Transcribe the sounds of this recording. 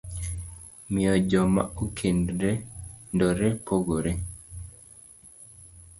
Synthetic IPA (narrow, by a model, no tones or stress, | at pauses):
miɔd͡ʒɔma̰ukʰendɾendɔɾepoɡoɾe